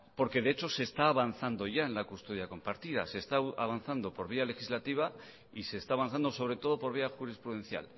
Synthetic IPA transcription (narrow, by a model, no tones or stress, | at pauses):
po̞ɾke̞ðe̞et͡ʃo̞se̞ːst̪aːβan̟θand̪o̞ʝaenlakust̪oð̞jako̞mpaɾt̪iða̰se̞st̪aa̰βanθand̪o̞po̞ɾβ̞iale̞xizlat̪iβ̞a | ise̞ːst̪aːβan̟θand̪oso̞β̞ɾe̞t̪o̞ð̞o̞po̞ɾβ̞iaxuɾispɾuðe̞nθja̰l